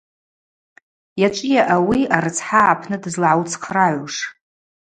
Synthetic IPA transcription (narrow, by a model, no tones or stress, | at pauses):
jat͡ʃʷʼijaʔawiaɾɨt͡sʰħaʕapʰnɨdɨzlʕawt͡sʰqʰraʕʷuʂ